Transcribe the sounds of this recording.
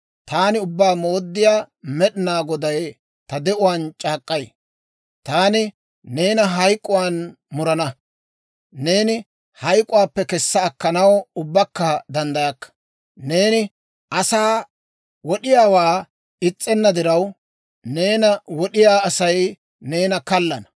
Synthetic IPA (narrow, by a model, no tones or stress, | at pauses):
t̪aːnɪʊbːaːmo̞ːd̪ːɪjaː | mɛɗɪnaːɡɔd̪ɐj | t̪ɐd̪ɛʔʊwaːnt͡ʃʼaːkʼːɐj | t̪aːnɪ | ne̞ːnɐɦɐjkʼːʊwaːn | mʊɾɐnɐ | ne̞ːnɪ | hɐjkʼːʊwaːpːɛkɛsːɐːkːɐnɐwʊbːɐkːɐd̪ɐnd̪ɐjɐkːɐ̥ | ne̞ːnɪ | ʔɐsaː | wɔɗɪjaːwaː | ɪt͡sʼːɛnːɐd̪ɪɾɐw | ne̞ːnɐwɔɗɪjaːɐsɐj | neːnɐkɐlːɐnɐ